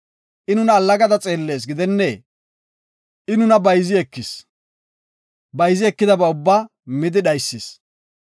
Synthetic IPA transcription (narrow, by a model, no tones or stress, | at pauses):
ʔɪnʊnɐːlːɐɡɐd̪ɐt͡sʼe̞ːlːeːs̬ɡɪd̪ɛnːeː | ʔɪnʊnɐbɐjzɪɛkːɪs | bɐjzɪɛkːɪd̪ɐbɛʊbːaː | mɪd̪ɪɗɐjsːɪs